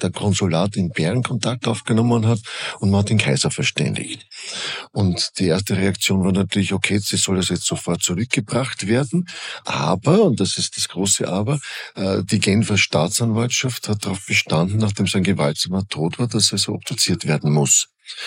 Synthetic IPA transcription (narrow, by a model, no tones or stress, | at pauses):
d̥ɛɐkʰɔnzʊlaːtɪnb̥ɛʁnkʰɔntʰak̚tʔaʊfɡ̥ənɔmənɦatʊntmhatːeːnkʰaɪzɐfɛɐʃtɛ̰ndɪ̰çt | ʔʊntd̥iːeɐstəʁeakt͡sjoːnvaːɐnatyːɐlɪçokʰeːsiz̥ɔldasjɛt͡stz̥ofɔɐt̚t͡suʁʏk̚ɡ̥əbʁaχtv̥eːɐdn̩ʔa̰ːbɐʊntd̥asɪst̚d̥asɡ̥ʁoːsəʔaːbɐʔd̥iːɡɛnfɐʃtaːtt͡sanvaltʃafthat̚d̥aʁaʊfb̥əʃtandn̩naχd̥eːmzɛɪnɡəvaltz̥aːmɐtʰoːtv̥aːɐd̥aseɐzoːʔɔp̚d̥ut͡siːɐtv̥eːɐdn̩mʊs